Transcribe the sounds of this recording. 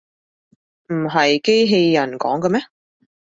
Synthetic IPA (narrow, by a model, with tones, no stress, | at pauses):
m̩˨˩ɦɐ˨jke˥jɦe˧jːɐ˨˩nkɔ̰ː˨˥ŋkɐ˧mɛ˥